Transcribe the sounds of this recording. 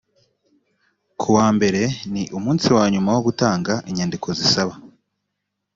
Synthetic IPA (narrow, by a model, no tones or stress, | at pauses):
kʰuwaːmbe̞ɾe̞niʔumuːnsiwaːɲumawo̞ɡutaːŋɡaʔiɲandikʰo̞zisaβa